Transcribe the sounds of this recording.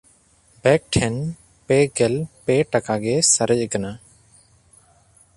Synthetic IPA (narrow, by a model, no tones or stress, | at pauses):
bɛk̚ʈʰɛn | pɛɡɛlpɛʈakaɡɛsəɾəd͡ʒkana